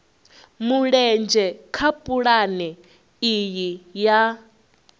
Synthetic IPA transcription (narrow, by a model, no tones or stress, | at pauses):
muɺɛnd͡ʒɛkʰapʼuɺanɛ | ijija